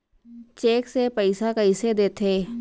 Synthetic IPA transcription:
t͡ʃeːksepəɪsakɐɪsed̪eːt̪ʰeː

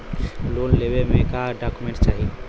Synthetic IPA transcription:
lonlebemekaɖakumẽɳʈt͡ʃaːɦi

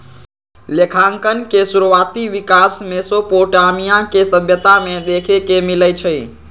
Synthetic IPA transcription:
lekʰaŋkənkesuɾuʋat̪iʋikasmesopoʈamijãkesəbʱjət̪amed̪ekʰekemiləjt͡ʃʰəj

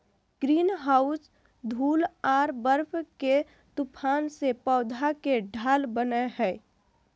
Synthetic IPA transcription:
ɡ̥ɾiːnɦaːʊs | d̪ʱuːlaːɾbəɾbʰke | t̪ʊpʰaːnsepɔːd̪ʱakeɖʱaːlbəneɦɛː

